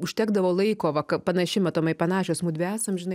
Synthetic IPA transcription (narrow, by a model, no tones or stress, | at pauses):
ʊʃʲt̪ʲæːɡd̪ɐʋoːlˠɐɪkoːʋɐkɐpɐnɐʃʲɪmɐt̪oːmɐɪpɐnɑːʃʲoːsmuːd̪ʲʋʲæːsomʒʲɪnɐɪ